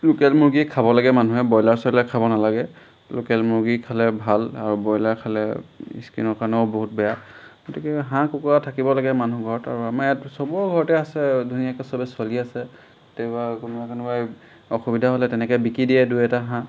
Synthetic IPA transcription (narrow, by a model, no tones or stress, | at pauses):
lukɛlmuɹɡikʰabɔlaɡɛmanuɦɛbɔjlaɹsɔlɛkʰabɔnalaɡɛ | lokɛlmuɹɡikʰalɛbʱalaɹubɔjlaɹkʰalɛḭskinɔɹkaɹnɔʊboɦut̚bɛjaɡotikɛɦãkukuatʰakibɔlaɡɛmanuɡʱɔɹɔta̰ɹuamaɛtsɔbɔɹɡʱɔɹɔtɛasɛdʱunijakɛsɔbɛsɔliasɛ | tebakʊnʊbakanɔbaj | ɔxubidʱaɦɔlɛtɛnɛkɔbikɹidiɛduɛtaɦã